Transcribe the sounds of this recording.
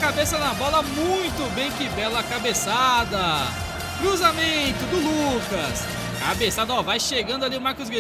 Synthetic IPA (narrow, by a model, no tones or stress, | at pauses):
kabesɐnɐbɔlɐmũj̃t̪ʊbẽj̃kɪbɛlɐkabesad̪ɐ | kɾuzamẽt̪ʊd̪ʊlukɐs | kabesad̪ɐɔvajʃeɡɐ̃nd̪ʊaliʊmaɾkʊzɡe